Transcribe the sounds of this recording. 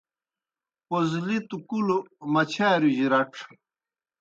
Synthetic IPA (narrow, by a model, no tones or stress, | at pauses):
pozlit̪ukulumɐt͡ɕʰaːɾuʑiɾɐʈ͡ʂʰ